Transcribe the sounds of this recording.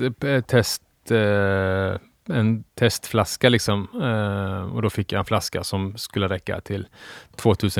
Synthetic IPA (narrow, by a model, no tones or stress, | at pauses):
t̪ʰɛst̪ | ɛnt̪ʰɛst̪flɑskalɪksɔm | ɔ̰d̪oːfɪkːjaɪɛnflɑskəsɔmskʉlːəɾɛkːa̰t̪ʰɪlt̪ʰvoːt̪ʰʉːsə